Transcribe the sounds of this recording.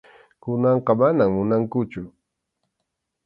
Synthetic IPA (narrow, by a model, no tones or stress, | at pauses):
kʊnɑɴqɑmanaŋmʊnaŋkʊt͡ʃʊ